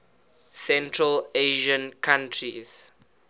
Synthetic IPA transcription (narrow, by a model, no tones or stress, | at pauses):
sɛ̃ntʰɹəleʒə̃nkʰãntʰɹḭz̥